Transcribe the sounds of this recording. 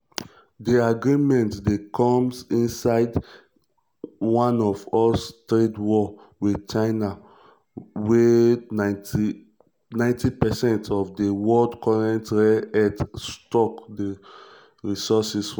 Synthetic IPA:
diaɡɹimɛ̃ntdekʰɔ̃msĩnsaɪd | wãnɔvɔstɹetwɔ | widt͡ʃaɪna | wɛ | nãɪ̃ntipɛsɛ̃ntʰɔfdewɔldkʰɔɹɛ̃ntɹɛɛtstɔkde | ɹisɔsis

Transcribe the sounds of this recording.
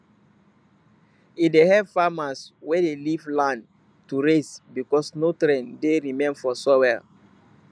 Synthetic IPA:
idehɛvfamaswedelivlãn | tuɾesbikɔsnotɾɛ̃ndeɾimẽnfɔsowɛl

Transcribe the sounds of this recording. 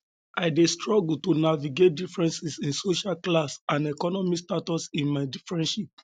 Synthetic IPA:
aɪdestɹɔɡul̩tonaviɡet̚difɹɛ̃nsisĩnsoʃalklasãnɛkɔnɔmistatɔsĩnmaɪdifɹɛ̃nʃip̚

